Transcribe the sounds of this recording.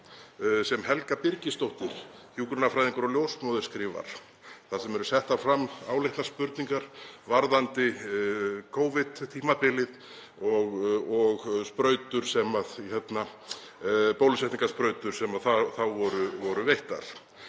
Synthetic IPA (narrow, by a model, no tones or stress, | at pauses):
sɛmhɛlkapɪɾcɪst̪owht̪ɪɾ̥hjuːkɾʏnafɾajðiŋkʏɾɔɣljowsmɔðʏɾ̥skɾiːva̰ɾ̥ | θasɛmɛɾʏsɛht̪afɾamːawlejht̪naspʏɾt̪niŋkaɾ̥vaɾðant̪ɪ | kʰoːwvɪt̪t̪ʰiːmapɪlɪð | ɔɣɔɣspɾœːɥt̪ʏɾ̥sɛmaðihɛt̪na | powlɪsɛht̪iŋkaspɾœːɥt̪ʏɾ̥sɛmaðθaθawvɔɾʏvɔɾʏvejht̪a̰ɾ̥